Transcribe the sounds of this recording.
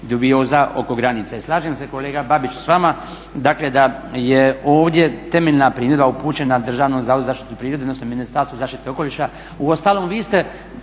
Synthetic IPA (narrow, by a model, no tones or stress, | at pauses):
d̪ubio̞ːzaʔo̞̰ko̞ɡɾanit̪saislˠaːʒemse̞ko̞leːɡababit͡ʃsʋama | d̪akled̪ajeoːʋd̪je̞t̪e̞meʎnapɾiːmje̞d̪baupuːt͡ʃe̞nad̪r̩ʒaːʋnomzauzaːʃt̪i̥t̪upɾiːɾod̪ed̪nosnominist̪aɾst̪ozaːʃt̪it̪eo̞ko̞liʃa | uo̞st̪aːlˠo̞mʋiːst̪e̞